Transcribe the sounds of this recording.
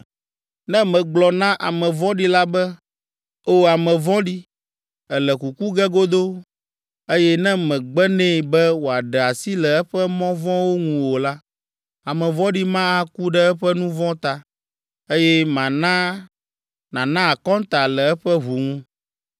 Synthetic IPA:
nɛ̃˦mɛ̃˨ɡ͡blɔ˨nã˦ʔa˨mɛ̃˨vɔ̃˦ɖi˦la˦bɛ˦ | o˦a˨mɛ̃˨vɔ̃˦ɖi˦ | ɛ˨lɛ˨ku˨ku˦ɡɛ˦ɡo˦d̪o˦ | e˦jɛ˦nɛ̃˦mɛ̃˨ɡ͡bɛ˦nɛ̃˦˨bɛ˦wo˨a˨ɖɛ˨a˨si˦lɛ˨ɛ˦ɸɛ˦mɔ̃˦vɔ̃˦wo˦ŋũ˨wo˨la˦ | a˨mɛ̃˨vɔ̃˦ɖi˦mã˦a˦ku˦ɖɛ˦ɛ˦ɸɛ˦nũ˦vɔ̃˦t̪a˨ | e˦jɛ˦mã˨nã˦ | nã˨nã˦a˨kɔ̃˦nt̪a˨lɛ˨ɛ˦ɸɛ˦ɦu˨ŋũ˦

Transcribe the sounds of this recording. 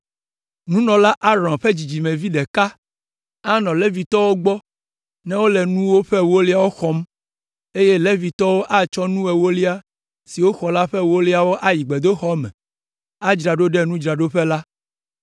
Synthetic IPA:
nũ˦nɔ̃˨la˦ʔa˦ɾɔ̃˨nɸɛ˦d͡ʑi˨d͡ʑi˨mɛ̃˨vi˦ɖɛ˨ka˦ | a˦nɔ̃˨le˦vi˨t̪ɔ˦wo˦ɡ͡bɔ˦ | nɛ̃˦wo˦lɛ˨nũ˦wo˦ɸɛ˦wo˦li˦a˨wo˦xɔ˦m | e˦je˦le˦vi˨t̪ɔ˦wo˦ʔa˦t͡ʃɔ˦nũ˦ɛ˨wo˦li˦a˦ | si˨wo˦xɔ˨la˦ɸɛ˦wo˦li˦a˦wo˦ʔa˦ji˨ɡ͡bɛ˨d̪o˦xɔ˦mɛ̰̃˨ | a˦d͡ʒɾa˨ɖo˦ɖɛ˦nũ˦d͡ʒɾa˨ɖo˦ɸɛ˦la˦

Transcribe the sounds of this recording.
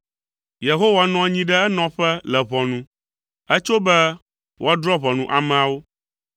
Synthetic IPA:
je˨ɦo˦wa˨nɔ̃˦ɲĩ˦ɖɛ˦ɛ˦nɔ̃˨˦ɸɛ˦lɛ˨βɔ˨nũ˦ | ɛ˦t͡ʃo˦bɛ˦ | wʔo˦a˦d̪ɾɔ˦βɔ˨nũ˦ʔa˨mɛ̃˨a˨wo˦

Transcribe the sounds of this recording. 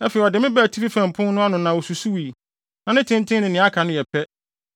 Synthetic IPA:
ɛ˦fɛ˨i˨ɔ˨dɪ˨mɪ̃˦bæ˨tʰi˦fi˦fæ̃˨m˨pʰʊ̃˦n˦nʊ̃˦a˦nʊ̃˨nã˨o˨su˨su˦wi˨ | nã˨nɪ̃˦tʰɪ̃˦n˦tʰɪ̃˦nɪ̃˨nɪ̃˨˦a˦kʰa˨nʊ̃˦jɛ˨pʰɛ˦

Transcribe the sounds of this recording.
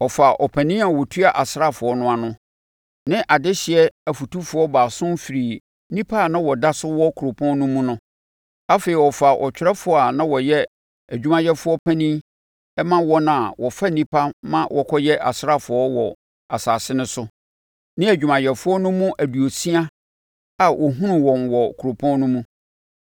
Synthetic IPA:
ɔ˨fa˨ʔɔ˨pʰæ̃˨nĩ˦a˨wɔ˨tʰu˦a˨ʔa˨sɾa˦˨fʊ˨ɔ˦nʊ̃˦a˨nʊ̃˦ | nɪ̃˦ʔa˨dɪ˦ɕɪ˨ɛ˦æ˨fu˨tu˦fʊ˨ɔ˦baː˨sʊ̃˦nfi˨ɾi˨ | nĩ˦pʰa˦˨nã˦wɔ˨da˦sʊ˦wɔ˦kʰu˨ɾo˨pʰɔ̃˦n˦nʊ̃˦mũ˦nʊ̃˦ | a˦fe˨i˨wɔ˨fa˨ʔɔ̰˨t͡ɕʰᶣɪ˦ɾɛ˦fʊ˨a˨nã˦wɔ˨jɛ˦ | æ˨d͡ʑᶣu˦mã˨jɛ˦fʊ˦ɔ˦pʰã˦nĩ˦ | ɛ˦mã˦wɔ˦na˨wɔ˨fa˦nĩ˦pʰa˦mã˦wʔɔ˨kʰɔ˦jɛ˦ʔa̰˨sɾa˦fʊ˨ɔ˦wɔ˨ | a˨saː˨sɪ˦nʊ̃˦sʊ˦ | nɪ̃˦æ˨d͡ʑᶣu˨mã˨jɛ˨fʊ˦ɔ˦nʊ̃˦mʊ̃˦ʔæ˨du˨o˨si˦a˦ | a˨wʔɔ˨ɦũ˦nʊ̃˨wɔ̃˨nwɔ˨kʰu˨o˨pʰɔ̃˦n˦nʊ̃˦mũ˦

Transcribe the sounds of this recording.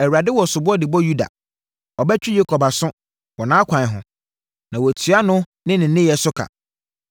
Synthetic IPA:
ɛ˨wu˨ɾa˨dɪ˦wɔ˨sʊ˨bʊ˦ɔ˦dɪ˨bɔ˦ju˦da̰˨ | ɔ˨bɛ˦t͡ɕᶣi˦je˦kʰɔ˨ba˨sʊ̃˦ | wɔ˨nãː˨˦kʷʰã˨ɦʊ̰̃˨ | nã˨wɔ˨tʰɥa˦nʊ̃˦ | nɪ̃˦nɪ̃˨˦ɪ̃˦jɛ˨sʊ˦kʰa̰˨

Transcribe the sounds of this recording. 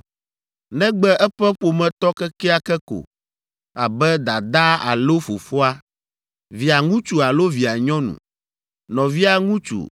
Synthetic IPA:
nɛ̃˦ɡ͡bɛ˦ʔɛ˦ɸɛ˦ɸo˨mɛ̃˨t̪ɔ˦kɛ˦kɛ˦a˦kɛ˦ko̰˨ | a˨bɛ˦d̪a˨d̪a˦a̰˨lo˦fo˨fɔ˦a˦ | vi˨a˨ŋũ˦t͡ʃu˨a˨lo˦vi˨a˨ɲɔ̃˦nṵ̃˨ | nɔ̃˨vi˦a˦ŋũ˦t͡ʃṵ˨

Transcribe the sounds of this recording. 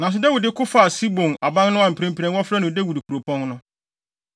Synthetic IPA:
nã˨s̬ɪ˦dɛ˦wʊ˨dɪ˦kʰʊ˦fa˨si˦bõ˨na˨bã˦ŋnʊ̃˦ã˨m̩˨pʰi˨ɾɛ̃˦m˦pʰi˨ɾɛ̃˦nwɔ˦fɾa˦nʊ̃˨dɛ˦wu˨dɪ˨kʰu˨ɾo˨pʰɔ̃˦nnʊ̃˦

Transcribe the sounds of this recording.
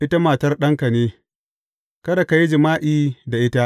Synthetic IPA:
ʔɪ˦ta˦maː˨tɐ˦rɗɐ˦ŋka˨neː˦ | kɐ˦da˨ka˨ji˦d͡ʒɪ˨maː˦ʔiː˨da˨ʔɪ˦ta˦ʔ

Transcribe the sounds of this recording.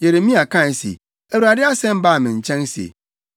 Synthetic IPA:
je˨ɾe˨˦mĩ˦a˨kã˦˨sḛ˨ | ɛ˨wu˨a˨dɪ˦a˦sɛ̃˦m˦baː˦˨mɪ̃˨ɲ̩˨t͡ɕʰɛ̃˦n˦si˨ḛ˨

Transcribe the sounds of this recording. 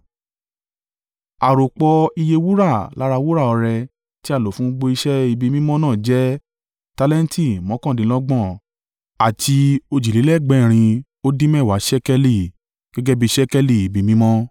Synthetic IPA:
a˨ɾo˨k͡pɔ˧i˧je˧wu˦ɾa˦˨la˨˦ɾa˧wu˦ɾa˦˨ɔ˧ɾɛ˧ | ti˦a˦˨lo˨fũ˨˦ɡ͡bo˧i˧ʃɛ˦i˧bi˧mĩ˦mɔ̃˦nãː˦˨d͡ʒɛ˦ | ta˧lɛ˦n˦tʰi˦˨mɔ̃˨˦kɔ̃˦˨dĩ˨˦lɔ˦ɡ͡bɔ̃˦˨ | a˨ti˧o˧d͡ʒi˨li˨˦lɛ˦˨ɡ͡bɛ̃˨˦˨ɾ̃ĩ˧ | o˦dĩ˦mɛ˦˨wa˨˦ʃɛ˦kɛ˧li˨ | ɡ̥ɛ˦ɡɛ˦bi˧˦ʃɛ˦kɛ˦li˨i˨bi˧mĩ˦mɔ̃˦

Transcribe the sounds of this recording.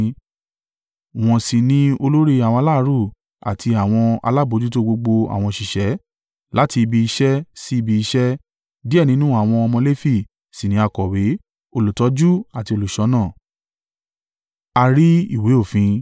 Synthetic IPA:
w̃ɔ̃˨si˨nĩ˧o˧lo˦ɾi˦˧a˨w̃la˦ɾu˦˨ | a̰˨tʰi˧a˨w̃ɔ̃˧a̰˧la˦˨bo˨˧˦d͡ʒu˦to˦ɡ͡bo˧ɡ͡bo˧a̰˨w̃ɔ̃˧ʃi˨ʃɛ˨˦ | la˦ti˧bi˧i˧ʃɛ˦si˦i˧bi˧i˧ʃɛ˦ | di˦ɛ˦˨nĩ˨˦nũ˦a˨w̃ɔ̃˧ɔ˧mɔ̃˧le˦fi˦˨ | si˨nĩ˨˦a˧kɔ˨we˨˦ | o˧lu˨tɔ˨˦d͡ʒu˦a˨ti˧o˧lu˨ʃɔ˨˦nãː˦˨ | a˧ɾi˦ḭ˦˨we˨˦o˦˨fĩ˧˦

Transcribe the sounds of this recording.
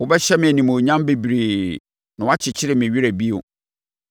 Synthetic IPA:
wʊ˦bɛ˦ɕɛ˦mɪ̃˨æ˨nĩ˨mũ˨ɲã˦mbe˨bɾe˨ | nã˨wa˦t͡ɕʰɪ˨t͡ɕʰɪ˦ɾɪ˨mɪ̃˨ɥi˦ɾæ˨bi˦ʊ̰˨

